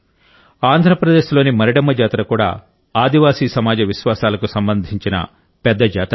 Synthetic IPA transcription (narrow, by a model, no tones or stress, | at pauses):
aːnd̪ʱɾɐpɾɐd̪e̞ːʃlo̞ːnimɐɾiɽɐmːɐd͡ʒaːt̪ɾɐkuːɽa̰ː | aːd̪iʋaːsiːsɐmaːd͡ʒɐʋiʃʋaːsaːlɐkusɐmbɐnd̪ʱiɲt͡ʃinɐ̰ | pɛd̪ːɐd͡ʒaːt̪ɐ